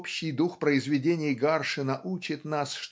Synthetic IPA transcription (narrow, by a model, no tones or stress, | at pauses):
pɕːɪjd̪uxpɾəɪzvʲɪdʲenʲɪjɡarʂɨnɐʔut͡ɕɪt̪nasʂ